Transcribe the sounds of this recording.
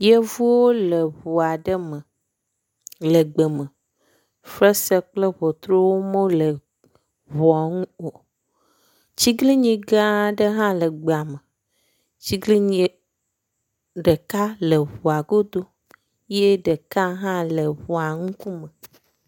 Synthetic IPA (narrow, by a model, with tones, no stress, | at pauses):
je˦vu˦wo˦lə˨βu˨a˨ɖə˦mə˨ | lə˨ɡ͡bə˨mə˨ | fɾə˦se˦k͡plə˦βɔ˨t̪ɾo˦wo˦mo˦lə˨ | βɔ˨a˨ŋũ˦o˨ | t͡ɕi˦ɡli˦ɲĩ˨ɡã˦ɖə˦ɦã˦lə˨ɡ͡ba˨mə˨ | t͡ɕi˦ɡli˦ɲi˨ | ɖə˨ka˦lə˨βu˨a˨ɡo˦d̪o˦ | je˦ɖə˨ka˦ɦã˦lə˨βu˨a˨ŋũ˦ku˦mə˨